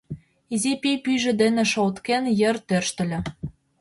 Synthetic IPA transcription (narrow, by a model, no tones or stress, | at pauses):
izepepyʒɘ̆d̪enĕʃot̪kenjərt̪ørʃt̪ə̆lʲɘ̆